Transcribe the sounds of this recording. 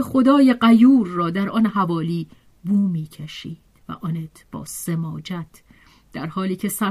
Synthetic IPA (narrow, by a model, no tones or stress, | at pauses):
exo̞d̪ɒːjeɢæjuːɾːɒːd̪æɾʔɒnhævɒːliː | buːmiːcʰeʃiːd̪̥væ̰ʔɒnet̪ʰb̥ɒ̰ːsemɒːd͡ʒæt̪ʰ | d̪̥æɾhɒːliːcʰe̞sæ